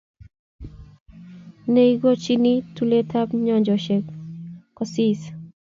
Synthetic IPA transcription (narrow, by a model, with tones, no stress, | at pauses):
ne˦i˦ɡo˦t͡ʃi˦ni˦tu˦le˦tʰa˦pɲɔ˨ɲd͡ʒɔ˨ʃe˨kkɔ˨si˦s